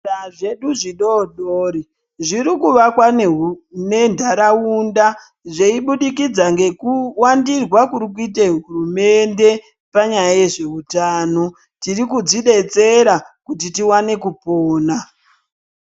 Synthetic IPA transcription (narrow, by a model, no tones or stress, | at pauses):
aʐe̞ɗuʐiɗoɗoːɾi | ʐiɾikuʋakwanene̞ndʱaɾaunda | ʐeiɓuɗikid͡zaŋɡe̞kuwandirwakuɾikuiteɦurume̞nde̞ | paɲajaje̞ʐe̞utaːno̞ | tirikud͡ziɗe̞t͡se̞ɾakutitiwane̞kupoːna